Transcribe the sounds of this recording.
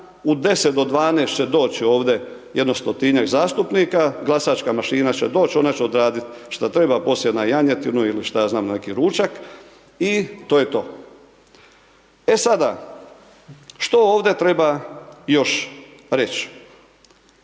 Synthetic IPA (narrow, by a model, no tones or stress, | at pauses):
ud̪e̞set̪d̪od̪ʋaːnest͡ɕed̪o̞ːt͡ɕio̞ːʋd̪e̞jed̪nost̪ot̪iɲakzaːst̪upniːkaɡlˠasaːt͡ʃkamaʃiːnat͡ɕe̞d̪o̞ːt͡ɕo̞nat͡ɕeo̞d̪ɾaːd̪it̪ʃt̪at̪ɾe̞bapo̞sljenajaɲet̪inuiliʃt̪ajaːznaːmnnekiɾuːt͡ʃak | it̪oːjet̪o̞ː | esad̪a | ʃt̪ooːʋd̪e̞t̪ɾe̞bajo̞ʃɾe̞t͡ɕ